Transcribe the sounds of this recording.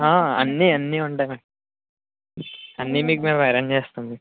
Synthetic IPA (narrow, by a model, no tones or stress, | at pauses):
aːɐ̰nːiɐnːiːuɳʈaːjmaːʈɐ | ɐnːiːmiːkumeːɾɐmɐɾɐnt͡ʃeːst̪und̪i